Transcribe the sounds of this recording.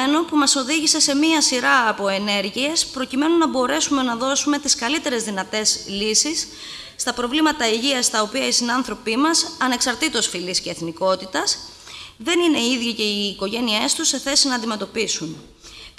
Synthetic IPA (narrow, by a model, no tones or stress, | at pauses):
eno̞pumɐso̞ðiʝise̞se̞miɐsiɾɐːpo̞e̞ne̞ɾʝie̞spɾo̞cime̞nunɐbo̞ɾe̞sume̞nɐðo̞sume̞t̪iskɐlit̪e̞ɾe̞zðinɐt̪e̞slisisː | t̪ɐpɾo̞vlimɐt̪ɐiʝiɐst̪ɐo̞piɐisinɐnθɾo̞pimɐsɐne̞ksɐɾt̪it̪osfilisce̞ːθniko̞t̪it̪ɐs | ðe̞nine̞iðʝice̞iːko̞ʝe̞nie̞st̪usːe̞θe̞sinɐːnd̪ime̞t̪o̞pisun